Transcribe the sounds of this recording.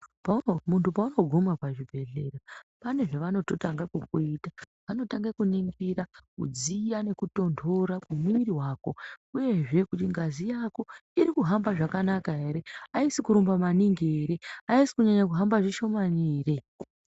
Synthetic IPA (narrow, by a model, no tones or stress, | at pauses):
pamuntʰupauno̞ɡʱumapaʐibʱe̞ɮe̞rapane̞ʐe̞ʋano̞to̞taŋɡakukuita | ʋano̞taŋɡekuniŋɡiɾakṵd͡zijane̞kuto̞ndo̞ɾakumiɾiɦwaːko̞uje̞ʐe̞kutiŋɡazijako̞iɾikuɦambaʐakanakaɦe̞ɾe̞aisikuɾumbamaniŋɡeɾeaisi̥kuɲaɲak̬uɦambaʐiʃo̞maniːre